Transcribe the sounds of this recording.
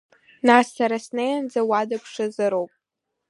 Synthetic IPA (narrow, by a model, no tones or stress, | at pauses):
nasːaɾasnejand͡zawadapʰʂɨzɨɾowpʼ